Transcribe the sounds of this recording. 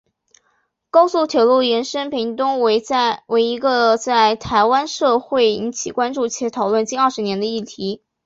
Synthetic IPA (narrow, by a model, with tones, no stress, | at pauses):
kɑ˥ʊsu˥˩t̪ʰjɛ˨˩lu˥˩jɛ˧˥nʂə˥npʰi˧˥ŋt̪ʊ˥ŋwe˧˥ɪ˥we˧˥ɪi˧˥ɡə˧t͡sa˥˩ɪt̪ʰa˧˥ɪwa˥nʂɤ˥˧xwe˥˩ɪi˧˥nt͡ɕʰi˨˩kwa˥nʈ͡ʂu˥˩t͡ɕʰjɛ˧˥t̪ʰɑ˨˩ʊlwə˥˩nt͡ɕi˥˧nə˞˥˩ʂɻ̩˧˥njɛ˧˥nd̪ə˧i˥˩t̪ʰi˧˥